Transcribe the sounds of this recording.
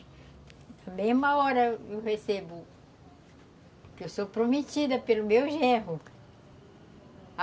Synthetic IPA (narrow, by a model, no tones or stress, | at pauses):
ɐmehmɐɔɾɐewhesebʊ | kewsopɾometid̪ɐpelʊmewʒeɦʊ